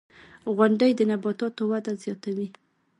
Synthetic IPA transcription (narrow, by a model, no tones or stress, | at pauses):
ɣwaɳɖəjd̪ənabɑt̪ɑt̪owad̪azjɑt̪awi